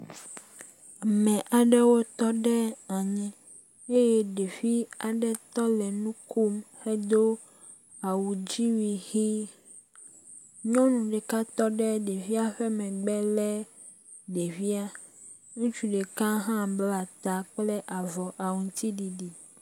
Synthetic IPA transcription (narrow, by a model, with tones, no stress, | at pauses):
mɛ̃˨ʔa˨ɖɛ˦wo˦t̪ɔ˦ɖɛ˦a˨ɲɛ̃˨ | e˦jɛ˦ɖe˨fi˦a˨ɖɛ˦t̪ɔ˦lɛ˨nũ˦kʰu˦mhɛ˦d̪o˦ | a˨wu˨d͡ʑi˦wi˨xi˦ | ɲɔ̃˦nũ˨ɖɛ˨ka˦t̪ɔ˦ɖɛ˦ɖe˨vi˦a˦ɸɛ˦mɛ̃˨ɡ͡bɛ˦lɛ˦ | ɖe˨vi˦a˦ | nũ˦t͡ʃu˨ɖe˨kã˦ɦã˦bla˨t̪a˨k͡ple˦ʔa˨vɔ˨ʔa˨wũ˨t̪i˦ɖi˨ɖi˨